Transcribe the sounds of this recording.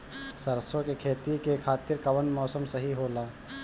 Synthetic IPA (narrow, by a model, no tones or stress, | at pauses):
səɾsokekʰeːt̪ikekʰaːt̪iɾkəʋənmɔːsəmsəɦiɦoːlaː